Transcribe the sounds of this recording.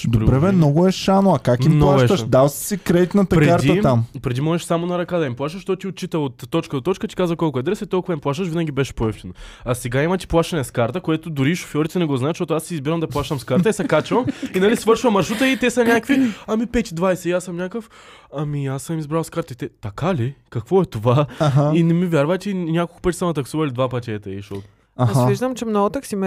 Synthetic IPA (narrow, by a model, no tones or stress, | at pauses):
d̪oɾbɾɛvɛnɔɡʊɛʃanoɐkakimnp̪lˠaʃɛt̪əʃd̪alˠssikɾɛd̪it̪nət̪ɐpɾɛkaɾt̪d̪iəampɾɛd̪imɔʒɛʃsamonɐɾɐkad̪ɐimplˠaʃt̪əʃt̪ɔt̪iot̪̚t͡ʃit̪əot̪ːɔt͡ʃkəd̪ot̪ɔt͡ʃkət̪i̥kazvɐkɔlˠkʊɛd̪ɾɛsɛtt̪ɔlˠkʊuvɐimplˠaʃ̬t̪əʃvʲinɐɡʲibɛʃɛ̥poɛft̪ɛnoɐsɛɡaimɐt̪i̥plˠaʃt̪ɐnɛskaɾt̪əkoɛt̪ʊd̪ʊɾiʃo̥fʲjɔɾit̪ɛnɛɡɔznaɛt̪ʃt̪ɔt̪ʊasiːzbiɾɐmd̪ɐplˠaʃt̪ɐmskaɾt̪əisɛkat͡ʃəvɐminɐlisvɤɾʃivɐmːɐɾʃut̪əit̪ɛsɐnʲakviɐmipɛt̪ʲid̪vajsɛiasəmnʲakəf | ɐmiasːəmizbɾalˠskaɾt̪ɐit̪ɛt̪ɐkalikɐkvɔɛt̪ovaɦainɛmivʲjaɾvət̪ʲinʲakolˠkʊ̥pət̪ʲi̥sɐmɐt̪ɐksuvɐilʲid̪vapɐt̪ʲɛt̪ɛiʃt̪ɔt̪ʊ̥ | aviʒd̪əmt͡ʃɛmnɔɡʊt̪ɐksimɛ